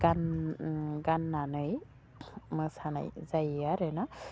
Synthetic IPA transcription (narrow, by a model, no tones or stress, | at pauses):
ɡan | ɡanːanɯj | mɯsana̰jzajaɾɯna